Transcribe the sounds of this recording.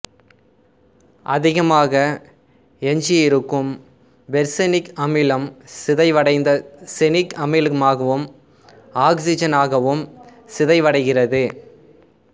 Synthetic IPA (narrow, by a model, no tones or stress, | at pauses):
ʔɐðɪɣɐmaːɣɐ | ɛɲd͡ʒɪɪɾɯkːɯm | ʋɛɾsɐnɪkɐmɪlɐmsɪðɐɪʋɐɽɐɪnd̪ɐsɛnɪkɐmɐɪlɯmaːɣɐʋɯm | aːksɪd͡ʒɐnaːɣɐʋɯmsɪðɐɪʋɐɽɐɪɣɪrɐðɯ